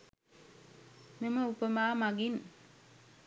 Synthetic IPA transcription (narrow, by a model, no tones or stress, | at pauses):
meməupəmaːmaɡin